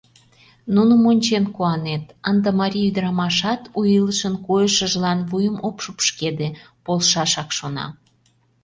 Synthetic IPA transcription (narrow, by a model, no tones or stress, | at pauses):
nunə̆monʲt͡ɕenkuɑnet̪ənd̪ɑmɑɾʲiyd̪əɾɑmɑʃɑt̪ujələʃənkojəʃəʒlɑnvujəmopʃupʃked̪e | polʃɑʃɑkʃonɑ̰